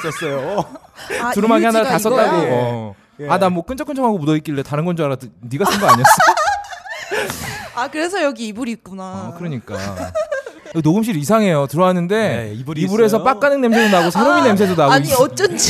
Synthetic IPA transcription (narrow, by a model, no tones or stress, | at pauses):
s͈ʌs͈ʌjo | tuɾɯmɦaɡehanaɾatas͈ʌt͈aɡoʌ | anamwʌk͈ɯnt͡ɕʰʌkʰɯnt͡ɕʰʌɦaɡomudʌik͈iɭːe̞taɾɯnɡʌnd͡ʑuaɾatɯniɡasʰɯnɡʌaɲiʌs͈ʌ | akɯɾe̞s̬ʰʌjʌɡiːbuɾik͈unakɯɾʌɲik͈a̰ | jʌnoɡɯmɕ̬ʰiɾisʰaŋɦe̞jotɯɾʌɦanɯnde̞ibuɾe̞s̬ʰʌp͈ak͈anɯŋne̞msʰedonaɡosʰaɾominːems̬ʰedonaɡiiʌt͡ɕ͈ʌt͡ɕ